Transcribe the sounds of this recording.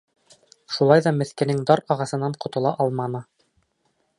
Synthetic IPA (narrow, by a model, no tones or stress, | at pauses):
ʃulˠɑjðɑmɘ̆θkɘ̆nɘŋd̪ɑɾɑʁɑsɤ̆nːɑɴqŏt̪ɤ̆lˠɑʔɑlˠmɑnɤ